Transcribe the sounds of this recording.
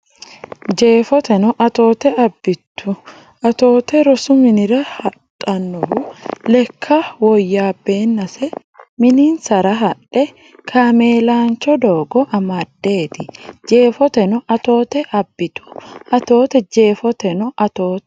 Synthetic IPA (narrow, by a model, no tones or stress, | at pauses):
d͡ʒe̞ːfɔt̪ɛnɔʔɐt̪o̞ːt̪ɛɐbːɪt̪ʰːʊ | ɐt̪o̞ːt̪ɛɾɔsʊmɪnɪɾɐhɐt̪ʼːɐnːɔhʊlɛkʰːɐwɔjːaːbeːnːɐsɛ | mɪniːnsɐɾɐɦɐᶑɛ | kʰame̞ːlaːnt͡ʃɔd̪oːɡɔʔɐmɐd̪ːe̞ːt̪ɪd͡ʒe̞ːfɔt̪ɛnɔʔɐt̪o̞ːt̪ɛʔɐbːɪt̪ʊ̥ɐt̪o̞ːt̪ɛd͡ʒe̞ːfɔt̪ɛnɔʔɐt̪oːt̪ɛ̥